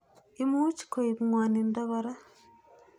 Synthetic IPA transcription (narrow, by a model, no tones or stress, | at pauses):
imuci̥koiβuŋwaːnindaβoɾa